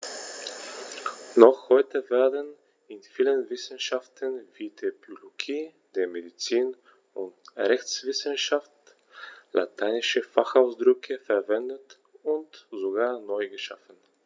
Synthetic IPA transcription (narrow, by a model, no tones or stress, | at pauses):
nɔχhɔʏtəvɛːɐdn | ɪnfiːlənvɪsən̩ʃaftʰənviːtʰepoloɡiː | d̥eːɐmedit͡siːn | ʊntʁɛçt͡sv̥ɪsənʃaft | la̰tʰaɪnɪʃəfaχaʊsd̥ʁʏkʰəfɛɐvɛndət | ʊntzoɡaːɐnɔʏɡəʃa̰fn̩